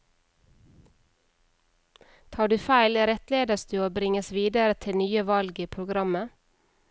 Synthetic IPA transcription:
t̪ʰɑːɖʉːfæɪlɾɛt̪leːd̪əsd̪ʉːoːbɾɪŋəsʋiːd̪əɾət̪ʰɪnyːəʋɑlɡiːpʰɾʊɡɾɑmə

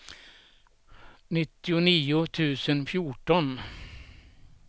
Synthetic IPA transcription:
nɪt̪ːɪʊniːʊt̪ʰʉ̟ːsənfjʊʈɔn

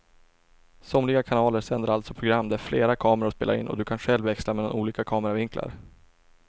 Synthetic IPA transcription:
sɔmlɪɡakʰanɑːləɾsɛnd̪əɾalt̪sɔpʰɾʊɡɾamːd̪ɛæɾfleːɾakʰɑːməɾaɾɔspḛːla̰ɾɪ̰nːɔ̰d̪ɵkʰanɧɛlvːɛkslamɛːd̪a̰nuːliːkakʰɑːməɾavɪŋkla̰ɾ

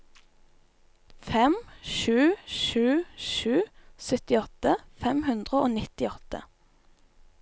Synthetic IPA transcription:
fɛmʃʉːʃʉːʃʉːsœt̪ɪɔt̪əfɛmhʉnd̪ʁəo̰ːnɪt̪ɪɔt̪ə̰

